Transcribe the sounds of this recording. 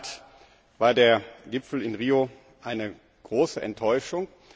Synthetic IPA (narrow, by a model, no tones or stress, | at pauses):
t | v̥aːɐdeːɐɡɪpfl̩ɪnʁiːo | ʔaɪnə | ɡ̥ʁoːsəʔɛ̰ntʰːɔʏʃʊŋ